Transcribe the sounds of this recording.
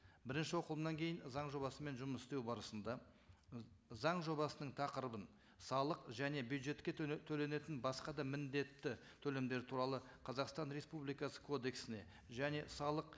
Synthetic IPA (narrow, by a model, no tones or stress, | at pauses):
bɪɾɪnʃɪwo̞qəlˠəmnɑŋkʲʰe̞jɪnzɑɴʒo̞bɑsəme̞nʒʊməsɪ̥st̪e̞wbɑɾəsənd̪ɑ | zɑɴʒo̞bɑsənəɴt̪ʰɑqəɾəbən | sɑlˠəqʒæne̞bjud̪ʒe̞t̪kʲe̞t̪ʰɵle̞ne̞t̪ɪnbɑsqɑd̪ɑmɪnd̪e̞t̪ːɪ | t̪ʰɵle̞md̪e̞ɾɪt̪ʰuɾɑlˠəqʰɑzɑqst̪ɑnɾe̞spublˠijkɑsə̥kʰo̞d̪e̞ksɪne̞̰ | ʒæne̞sɑlˠəq